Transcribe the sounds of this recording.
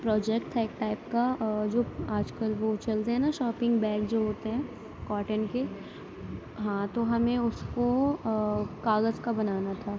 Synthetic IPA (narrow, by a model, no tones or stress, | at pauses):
pɾɔːd͡ʒɛk̚ʈt̪ʰaeːk̚ʈaːɪp̚kad͡ʒoːaːd͡ʒkəlʋot͡ʃɐlt̪eɦɛ̃naʃɔːpɪ̃ŋɡbɛ̃ːkd͡ʒoːɦoːt̪eɦɛ̃ː | kaːʈənke | ɦãt̪oɦɐmẽʊsko | kaːɣəzkabɐnaːnat̪ʰaː